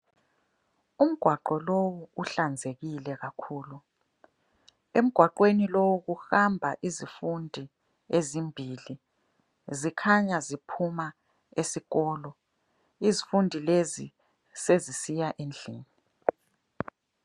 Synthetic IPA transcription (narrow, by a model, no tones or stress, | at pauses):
um̩ɡ̥ʱwaǃɔlowuuɬand͡zʱeɣilɛɣakʰuːlu | em̩ɡ̥ʱwaǃwenilowuɣuxambʱaʔizifundʱi | ezimbʱiːli | zikʰaɲazipʰuma | esiɣɔːlɔ | izifundʱilezi | sezisijaʔend͡ɮʱiːni